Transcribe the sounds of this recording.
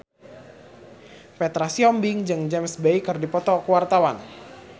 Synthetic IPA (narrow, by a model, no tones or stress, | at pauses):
pɛt̪ɾasiɔmbɪŋd͡ʒɨŋd͡ʒɛmsbejkɨrdipɔt̪ɔkəwart̪awan